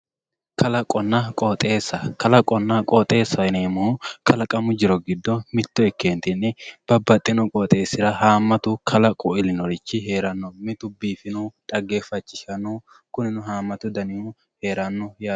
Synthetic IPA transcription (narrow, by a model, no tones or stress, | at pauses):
kʰɐlɐkʼɔnːɐkʼɔːt̪ʼe̞ːsːɐkɐlɐkʼɔnːɐkʼɔːt̪ʼe̞ːsːɐɪneːmʊhʊkʰɐlɐkʼɐmʊd͡ʒɪɾɔɡɪd̪ːɔmɪt̪ːɔɛkːeːnt̪ɪnːɪb̥ɐbːɐt̪ʼːɪnʊkʼɔːt̪ʼe̞ːsːɪɾɐɦaːmːɐt̪ʊkʰɐlɐkʼɔɪlɪnɔɾɪt͡ʃːɪɦe̞ːɾɐnːɔmɪt̪ʊbiːfɪnʊt̪ʼɐɡe̞ːfɐt͡ʃːɪʃɐnu | kʊnɪnʊɦaːmːɐt̪ʊd̪ɐnɪhʊ | he̞ːɾɐnːʊjaː